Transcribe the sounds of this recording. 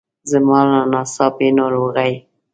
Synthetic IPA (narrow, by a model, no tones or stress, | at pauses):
zəmɑlanɑsɑpenoɾoɣaj